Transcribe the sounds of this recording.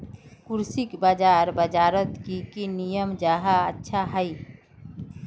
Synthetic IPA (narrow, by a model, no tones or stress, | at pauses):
kuɾsikbad͡ʒaɾbəd͡ʒaɾət̪kikinijəmd͡ʒaɦaətːʃʰaɦəj